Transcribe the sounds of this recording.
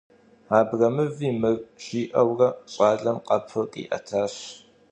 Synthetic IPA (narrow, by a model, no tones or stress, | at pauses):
aːbrɐmɨviːmɨrɕʼiːʔɐwrɐɕʼaːɮɐmqʼɐpʰɨkʼḭːʔɐ̰tʰaːɕ